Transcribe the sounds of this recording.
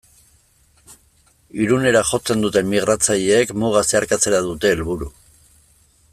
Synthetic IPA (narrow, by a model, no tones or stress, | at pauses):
iɾune̞ɾaxo̞t͡se̞nd̪ut̪e̞mmiɣ̞ɾat͡saʎeːkmuɣase̞aɾkat͡se̞ɾaðut̪e̞ːlβuɾu